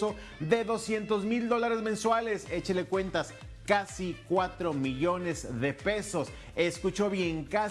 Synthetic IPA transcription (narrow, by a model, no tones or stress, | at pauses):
o̞ | ðe̞ðo̞sje̞nt̪o̞zmild̪o̞laɾe̞zmẽ̞nswale̞se̞t͡ʃele̞kwe̞nt̪as | kasikwat̪ɾo̞miʝo̞ne̞zðepe̞so̞s | eskut͡ʃo̞βje̞ŋka